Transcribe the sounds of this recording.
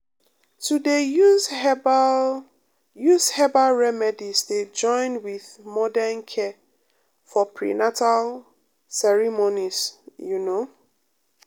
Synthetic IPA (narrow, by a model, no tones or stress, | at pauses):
tude | b | jushɛbalɹɛmɛdisded͡ʒɔ̃ɪ̃nwiðmɔdɛnkʰɛ | fɔpʰɹḭnatal | sɛɹimonisjuno